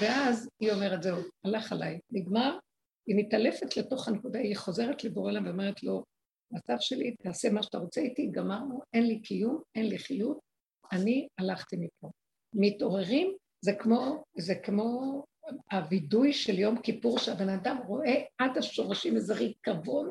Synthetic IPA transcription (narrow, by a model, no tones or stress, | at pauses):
veazio̞me̞ʁetzewalaχalajniɡmaʁ | init̪ale̞fe̞tle̞to̞χanekud̪aiχo̞ze̞ʁetleboʁelamveome̞ʁ̞etlo̞ | mat͡savʃe̞lit̪aːse̞maʃat̪aʁo̞t͡seitiɡamaʁnue̞nlikʰijumenliχijut̚ | anialaχt̪imipʰo | mito̞ʁe̞ʁim | zekmo̞zekmo̞ | abidujʃe̞ljo̞mkipuʁʃeabe̞nadamʁo̞ʔe̞adhaʃo̞ʁaʃimazaʁikavo̞n